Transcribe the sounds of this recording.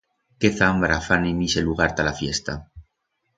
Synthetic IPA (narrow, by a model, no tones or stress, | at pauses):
keθambɾafanimiseluɣaɾt̪alafjest̪a